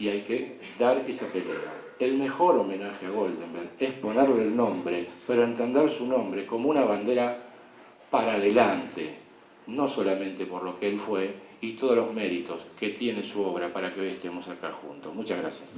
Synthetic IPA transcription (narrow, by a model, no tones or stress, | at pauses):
iajkeðaɾesapelea̰ | elme̞xo̞ɾome̞naxeaɣo̞ld̪embeɾespo̞neɾleːlnõ̞mbɾepeɾoe̞nt̪e̞nd̪eɾsunõ̞mbɾeko̞mounaβand̪eɾa | paɾaðelant̪ḛ | no̞so̞lamẽ̞nt̪e̞po̞ɾlo̞keelfwe̞ | it̪oð̞olo̞zme̞ɾit̪o̞ske̞t̪je̞nesuo̞βɾapaɾakeo̞jest̪e̞mo̞sakaxṵnt̪o̞smut͡ʃazɣɾasjas